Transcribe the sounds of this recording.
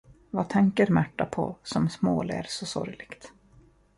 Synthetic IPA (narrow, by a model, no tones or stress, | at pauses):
vat̪ʰɛŋkəɾmæʈːapʰɔsɔmsmoːlæ̰ɾsɔsɔ̰ɾjlɪɡ̥t̪